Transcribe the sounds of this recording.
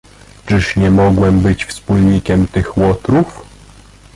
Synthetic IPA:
t͡ʂɘʂɲɛmɔɡwɛmbɘt͡ɕfspulɲikʲɛmt̪ɘxwɔt̪ɾuf

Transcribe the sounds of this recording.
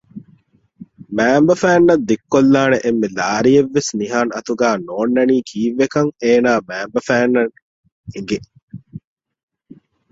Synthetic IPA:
mæːmbɐfæːnːɐd̪ːekːolːaːneʔemːelaːɾijeʋːesniɦaːnɐt̪uɡaːnoːnːɐniːkʰiːʋːekɐŋeːnaːmæːmbɐfæːnːɐŋ | eŋɡe

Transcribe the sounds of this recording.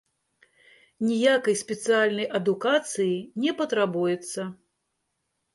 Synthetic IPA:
nʲijakɐjspʲɛt̪sɨalʲnɐjʔɐd̪ukat̪sɨjinʲɛpɐt̪ɾabujɛt̪sːɐ

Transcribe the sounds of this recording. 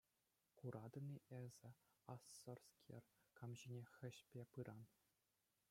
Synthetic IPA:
kuɾʔɑd̪ɤ̆nʲiʔezʲɘ̆ | ɑsːŏrskʲʰḛrkɑmʑinʲexʲɘ̆ɕpʲepɯɾʔɑn

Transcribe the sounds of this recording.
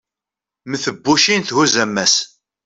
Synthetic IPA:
məθəbːuʃinθhuzæmːæs

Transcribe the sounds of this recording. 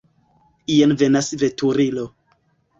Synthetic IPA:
ijenvenasvetuɾilo

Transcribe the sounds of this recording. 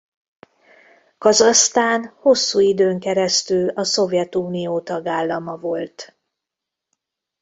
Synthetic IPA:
kɒzɒst̪aːnho̞sːuːid̪øːŋkɛɾɛst̪ylɒso̞vjɛt̪uːnijoːt̪ɒɡaːlːɒmɒvo̞lt̪

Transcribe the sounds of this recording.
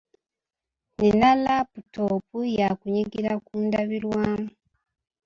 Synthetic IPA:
ninalaputo̞pujakuɲiɡiɾakuːndaβiɾwaːmu

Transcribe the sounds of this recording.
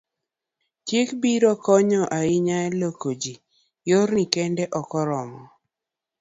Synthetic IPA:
tjekbiɾɔkɔɲɔʔaɪɲaɛlokod͡ʒi | joɾnikɛndɛʔɔkɔɾɔmɔ

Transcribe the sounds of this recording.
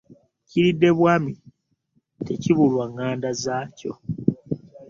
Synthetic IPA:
ciɾidːe̞βwaːmi | te̞ciβulwaŋːaːndazaːco̞̰

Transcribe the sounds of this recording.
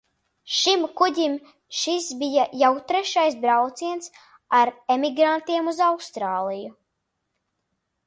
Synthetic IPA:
ʃimkudʲim | ʃisbijajawt̪ɾɛʃajsbɾawt̪siɛns | aɾemiɡɾant̪iɛmuzawkst̪ɾaːlˠiju

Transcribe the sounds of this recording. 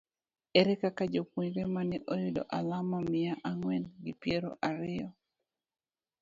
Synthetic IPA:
eɾɛkakad͡ʒopuɲɾemanɛʔojʊdo̰ʔalamamɪjaʔaŋwɛnɡɪpjeɾo̰ʔaɾɪjɔ

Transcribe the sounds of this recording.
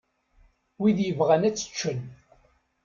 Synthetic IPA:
wiðjəvʁænæt͡sːə̥t͡ʃːən

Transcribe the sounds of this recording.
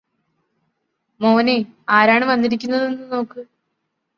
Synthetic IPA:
moːneaːɾaːɳɨʋɐnːiɾik̬ʲːunːɐðenːɨno̞ːkːɨ

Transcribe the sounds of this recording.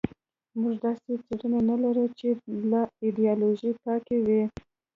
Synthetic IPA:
muʒd̪ɑset͡seɽənanalaɾut͡ʃelaid̪ijɑloʒikɑkewi

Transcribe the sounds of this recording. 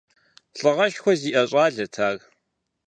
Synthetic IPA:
ɬʼɨʁɐʃxʷɔziːʔɐɕʼaːɮɐtʰaːɣ

